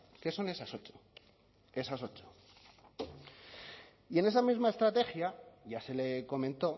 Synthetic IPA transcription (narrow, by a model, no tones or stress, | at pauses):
ke̞so̞ne̞saso̞t͡ʃo̥ | e̞saso̞t͡ʃo̥ | ie̞ne̞samizmae̞st̪ɾat̪e̞xjaʝase̞le̞ko̞mẽnt̪o̞